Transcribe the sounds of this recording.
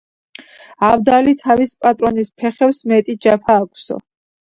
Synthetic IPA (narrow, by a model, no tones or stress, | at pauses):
avd̪alit̪ʰavispʼat̪ʼɾɔnispʰɛχɛwsmɛt̪ʼid͡ʒapʰaːkʷʰʼsɔ̰